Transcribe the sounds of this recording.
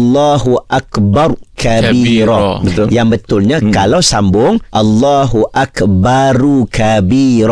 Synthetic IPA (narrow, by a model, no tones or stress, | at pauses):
lːaɦuʔakbarkabiɾɔbət̪jaŋbət̪ʊlɲakalawsambʊŋʔalːaɦuʔakbaɾukabiɾɔ